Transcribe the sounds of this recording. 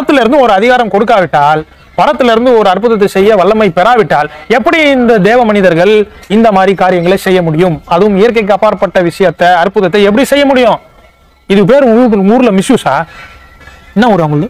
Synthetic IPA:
pɐɐt̪ːɪlɪɾɯnd̪ɯɔɾɯɐðɪɣaːɾɐmkɔɽɯk̬ːaːʋɪʈːaːl | pɐɾɐt̪ːɪlɪɾɯnd̪ɯɔɾɯɐɾp̬ɯðɐt̪̬ːɐsɛjːɐʋɐɭːɐmɐɪpɛɾaːʋɪʈːaːlɛpːɐɽiɪnd̪ɐd̪eːʋɐmɐnɪðɐɾɣɐɭɪnd̪ɐmaːd̪ɾikaːɾɪjɐŋɡɐɭɐsɛjːɐmʊɽɪjɯmɐðɯʋɯmɪjɐɾk̬ɐɪk̬ːɯɐpaːɾɐpːɐʈːɐʋɪʂɐjɐt̪ːɐɐɾpʊðɐt̪̬ːɐɛp̬ːɐɽisɛjːɐmʊɽɪjõː | ɪðɯp̬eːɾɯuːɾɯlɐmɪsjuːsa̰ː | nːãːɔɾʊŋɡɐɭɯ

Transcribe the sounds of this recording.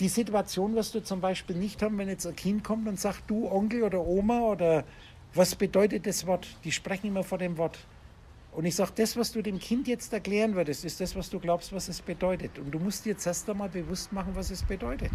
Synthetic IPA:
d̥iːzɪtuat͡sjoːnvasd̥uːt͡sʊmbaɪʃpiːlnɪçthaːm̩vɛnjɛt͡sankʰɪntkʰɔmtʊntz̥aːktd̥uːʔɔŋkl̩oːdɐʔoːmaoːdɐ | vasb̥ədɔʏtət̚d̥asv̥ɔɐtd̥iːʃpʁ̥ɛçn̩ɪmɐfɔndeːmvɔɐt | ʔʊntɪçz̥aːɡd̥asv̥asd̥uːdeːmkʰɪntjɛt͡stɛɐkl̥ɛːʁ̞ənvʏɐdəstɪstd̥asv̥asd̥uːɡlaʊpstv̥asɛsb̥ədɔʏtətʊntd̥uːmʊstd̥iːɐt͡sɛɐstamaːlbəvʊstmaχn̩vasɛsb̥ədɔʏtət

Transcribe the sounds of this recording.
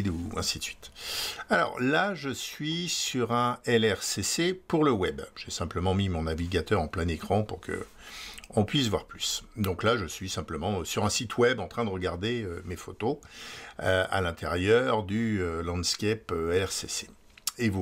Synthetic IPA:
d̪uɛ̰̃sit̪sɥit̪alɔ̰ʁlaʒəsɥisyʁɛ̃ɛlɛʁsesepuʁləwɛbʒ̥esɛ̃pləmɑ̃mimɔ̃naviɡʲat̪œʁɑ̃plɛ̃nekχɑ̃puʁkʰə̰ | ɔ̃pɥisvwa̰ʁplysd̪ɔ̃klaʒəsɥisɛ̃pləmɑ̃syʁɛ̃sit̪ʰwɛbɑ̃t̪χɛ̃d̪əʁəɡaʁd̪eømefot̪o̰ | a̰lɛ̃t̪ʰɛʁjœʁd̪yølɑ̃d̪skʲɛpøɛlɛʁsese | evu

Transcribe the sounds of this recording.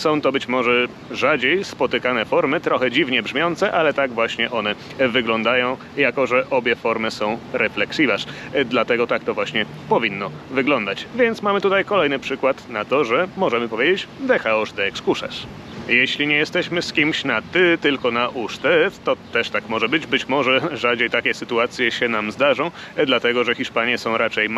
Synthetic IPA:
sɔ̃w̃t̪ɔbɘt͡ɕmɔʐɛ | ʐad͡ʑejspɔt̪ɘkanɛfɔɾmɘt̪ɾɔxɛd͡ʑivɲɛbʐmʲjɔnt̪sɛʔalɛt̪aɡvwaɕɲɛʔɔnɛ | vɘɡlɔnd̪ajɔ̃w̃ | jakɔʐɛʔɔbʲjɛfɔɾmɘsɔ̃w̃ɾɛflɛksʲivaʂd̪lat̪ɛɡɔt̪akt̪ɔvwaɕɲɛ | pɔvʲinːɔ | vɘɡlɔnd̪at͡ɕvʲjɛnt̪smamɘt̪ut̪ajkɔlɛjnɘpʂɘkwat̪nat̪ɔʐɛmɔʐɛmɘpɔvʲjed͡ʑet͡ɕd̪ɛxaɔʐd̪ɛɛkskuʂɛ̰ʂ | jeɕlʲiɲɛjɛst̪ɛɕmɘskʲimɕnat̪ɘt̪ɘlkɔnaʔuʂt̪ɛft̪ɔt̪ɛʂt̪akmɔʐɛbɘd͡ʑbɘt͡ɕmɔʐɛʐad͡ʑejt̪akʲɛsɘt̪uat̪sʲjɛɕɛnamzd̪aʐɔ̃w̃ | d̪lat̪ɛɡɔʐɛxʲiʂpaɲjɛsɔ̃w̃ɾat͡ʂɛjm

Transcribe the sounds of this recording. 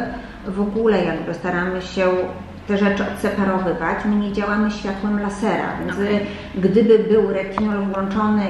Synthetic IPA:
vɔɡulɛjaɡbɘst̪aɾamɘɕɛ | t̪ɛʐɛt͡ʂɘɔt̪sɛpaɾɔvɘvat͡ɕɲɘmʲejd͡ʑawamɘɕfʲjat̪wɛmlasɛɾa̰vʲjɛnz | ɡd̪ɘbɘbɘwɾɛkʲiŋulwɔnt͡ʂɔnɘ

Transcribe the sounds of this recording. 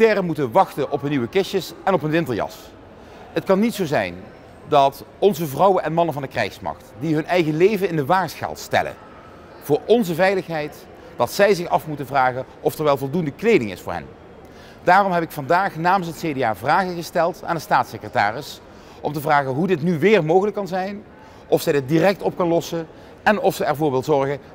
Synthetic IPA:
tɛrəmutənʋɑxtənʔɔpɦənːiʋəkɪʃjəsɛnɔpənʋɪntəɹjɑ̰s | ɦətkɑnːitsowzɛ̰jn | dɑtɔnzəvrɑwənɛnmɑnənvɑndəkrɛ̰jxsmɑ̰χtdiɦɵnɛjɣəlejvənɪndəʋaːɹsχa̰ːlˠtstɛ̰lə̰ | v̥ʊːɹɔnzəvɛjləxɦɛjt | d̥ɑtsɛjzɪxɑfmutəvraːɣənʔɔfɛɹʋɛlˠvɔlˠdundəklejdɪŋɪ̰sfʊːɹɦɛ̰n | daːrɔmɦɛbɪkfɑndaːχnaːmənsɦətsejdeaːvraːɣəɣəstɛlˠta̰ːndəstaːtsɪkrəta̰ːrɪs | ʔɔmtəvraːɣəɦudɪtnyʋɪːrmowɣələkːɑnzɛjn | ʔɔfsɛjdɪt̚dirɛk̚tɔp̚kɑnlɔsən | ɛnɔfsəɛɹvʊːɹʋɪlˠzɔɹɣə

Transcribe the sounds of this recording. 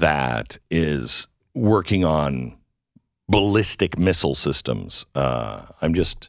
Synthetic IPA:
ðɨ̰ɾɪz̥ | wɜ˞kɪ̃ŋə̃n | bəlɪstɨkmɪsl̩ˠsɪstə̰̃mz̥ʌ̰ãɪ̃md͡ʒʌst̚

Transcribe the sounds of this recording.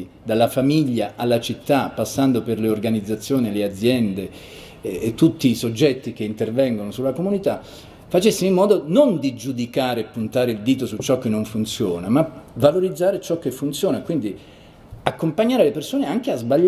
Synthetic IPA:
d̪alːafamiʎːaʔalːat͡ʃit̪ːapːasːand̪operleorɡanid̪zːat̪sːjoːnilead̪zːjɛnd̪eː | t̪ːut̪ːiːsod͡ʒːɛt̪ːikeint̪ervɛŋɡonosulːakomunit̪a | fat͡ʃesːimimːɔːd̪onond̪id͡ʒud̪ikaːɾeːpːunt̪aːɾeild̪iːt̪osut͡ʃːɔk̟ːenːoɱfunt̪sjoːnamavaloɾid̪zːaːɾet͡ʃɔkːefːunt̪sjoːnakwind̪i | akːompaɲːaːɾelepersoːneaŋk̟eazbaʎː

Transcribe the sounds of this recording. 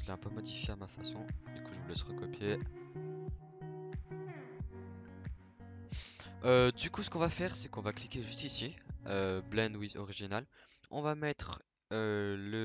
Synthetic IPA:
səlɛɛ̃pømɔd̪ifjeamafasɔ̃d̪ykuʒəvəlɛsʁəkɔpje | ød̪ykusə̥kɔ̃vafɛʁsɛkɔ̃vaklikʲeʒyst̪isjeøblɛ̃nd̪wizɔʁiʒinal | ɔ̰̃vamɛt̪χ | ølə

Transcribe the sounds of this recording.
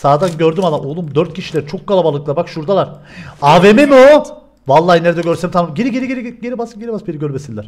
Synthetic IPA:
saːd̪anɟøɾd̪ymalˠaolˠumd̪øɾt̪̚cʰiʃilʲæɾit͡ʃʰo̞kːalˠabalˠɯklˠabakʃuɾd̪alˠaɾ | aːvememio | valˠːaːhineɾed̪ɛɟøɾsɛmt̪ʰamɟeɾiɟeɾiɟeɾiɟeɾibasɯɟeɾibasbeɾiɟøɾbesinlʲæɾ̥

